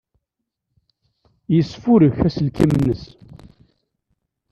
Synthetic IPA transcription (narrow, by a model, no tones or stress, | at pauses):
jəsːfʊɾəçæsəlkimənːəs